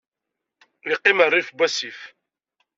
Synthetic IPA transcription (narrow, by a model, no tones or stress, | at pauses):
iqːimərˤːifbʷæsif